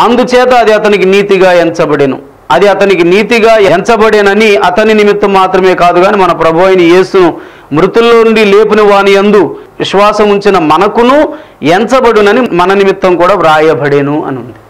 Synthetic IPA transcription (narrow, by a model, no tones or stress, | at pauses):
ɐnd̪ut͡ʃɛːt̪ɐːd̪iɐt̪ɐnikiniːt̪iɡaːent͡ʃɐbɐɽeːnṵ | ɐd̪iɐt̪ɐnikiniːt̪iɡaːent͡ʃɐbɐɽeːnɐniɐt̪ɐninimit̪ːɐmːaːt̪ɾɐme̞ːkaːd̪uɡaːnimɐnɐpɾɐbʱɐʋɐjnije̞ːsunu | mɾut̪ulːoːuɳɖile̞ːpuniʋaːnijɐnd̪uʋiʂʋaːsɐmuɲt͡ʃinɐmɐnɐkunu | ent͡ʃɐbɐɽunɐnimɐnɐnimit̪ːɐmkuːɽaːɾaːjɐbɐɽeːnuɐ̰nund̪i